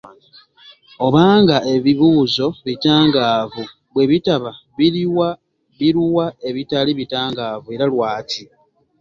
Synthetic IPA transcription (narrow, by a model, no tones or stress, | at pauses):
o̞βaːŋɡaʔe̞βiβuːzo̞βitaːŋɡaːvu | βwe̞βitaβa | βiɾiwa | βiɾuwae̞βitaliβitaːŋɡaːvue̞ɾalwaːtʰi